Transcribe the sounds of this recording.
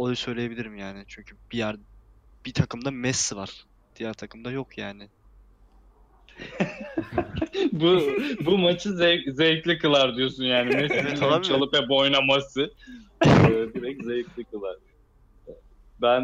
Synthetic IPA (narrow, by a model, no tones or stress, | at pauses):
oj̪usø̞jlʲejebilʲiɾimjaːnɪt͡ʃʰyɲcʰyb̥ijæɾb̥it̪ʰakʰɯmd̪amɛsːivaɾ̥ | d̪̥ijæɾt̪ʰakʰɯmd̪ajo̞kʰjaːnɪ | bubumat͡ʃʰɯzɛzejtlʲikɯlˠaɾd̪ijosunjaːnimɛsevɛialˠabit͡ʃʰalˠɯpvɛbojnamasɯ | biɾɛczejiklʲikɯlˠaɾ̥ | ɛ | bæn